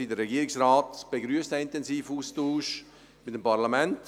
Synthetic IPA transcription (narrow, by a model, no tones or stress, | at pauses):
idəɾrɛɡiːəɪksraːtb̥eɡɾyəstəɪntɛnsiːfuːstuːʃ | mɪtəmpaɾlamɛnt